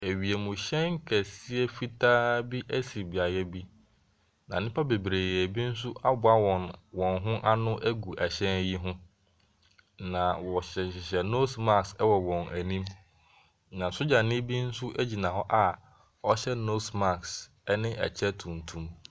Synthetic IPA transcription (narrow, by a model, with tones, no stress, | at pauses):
e˨ɥi˨e˨mʊ̃˨ɕɛ̃˦ŋ˦kʰɛ˨si˦e˦fi˦tʰaː˦bi˦ʔæ˦si˨bi˨a˨jɛ˦bi˦ | nã˨nɪ̃˦pʰa˦be˨bɾeː˨je˨bi˦n̩˦s̬ʊ˦ʔa˦bʊ˨˦a˦wɔ̃˨nwɔ̃˨nɦʊ̃˦ʔa˦nʊ̃˦ʔæ˦ɡu˨ʔɛ˨ɕɛ̃˦nji˦ɦʊ̃˦ | nã˨wɔ˨ɕɛ˨ɪ˨ɕɛ˨no˦sma˦ksɛ˦wɔ˨wɔ̃˨næ˨nĩ˦m | nã˨sʊ˦d͡ʑa˨nɪ̃˦bi˦n̩˦sʊ˦ʔæ˦d͡ʑi˨nã˨ɔ˦ʔa˦ | ɔ˦ɕɛ˦no˦sma˦˨ks | ɛ˦nɪ̃˦ʔɛ̰˨t͡ɕʰɛ˦tʰũ˨n˨tʰũ˦m